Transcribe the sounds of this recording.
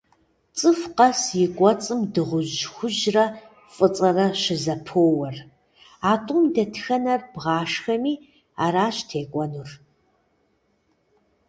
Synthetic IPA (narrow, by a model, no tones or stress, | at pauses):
t͡sʼɨfqɐsjɪɡʷʼɔt͡sʼɨmdɨʁʷʊʑxʷʊʒrɐ | fʼɨt͡sʼɐrɐʃɪzɐpʰoːwɐr | aːtʼʊmdɐtʰxɐnɐrbʁaːʂxɐmiː | aːɾaːɕtʰeːkʷʼɔnur